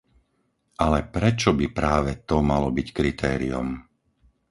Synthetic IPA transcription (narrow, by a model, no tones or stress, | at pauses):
ʔalɛpɾɛt͡ʃɔbipɾaːʋɛt̪ɔmalɔbickɾit̪ʰɛ̰ːɾḭum